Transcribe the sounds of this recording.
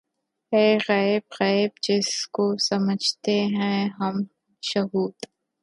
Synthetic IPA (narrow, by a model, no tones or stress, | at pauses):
eːɣɐːɪbɣaːbd͡ʒɪskosɐməd͡ʒʱt̪eɦɛ̃ɦɐm | ʃɐɦuːd̪